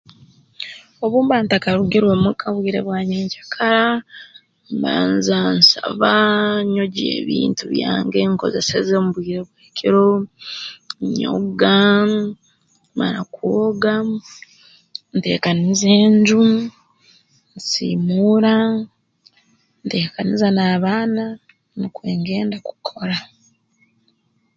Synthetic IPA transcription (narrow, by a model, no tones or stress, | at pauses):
o̞βuːmbaːntakaɾuɡeɾwomukʰaβwiːɾe̞̰βwaːɲeːɲcḁkʰaɾa | mba̰ːnzansa̰βaɲo̞ɟḛːβḭːntuβja̰ːŋɡeŋko̞̰ze̞se̞zemuβwiːɾeβweːkʰiɾo | ɲo̰ɡa | maɾa̰kwoɡa | nte̞̰ːkanizeːɲɟu | nsḭːmuɾa | nte̞ːkanizanaːβaːna | nikweːŋɡe̞ːndaku̥kʰo̞ɾa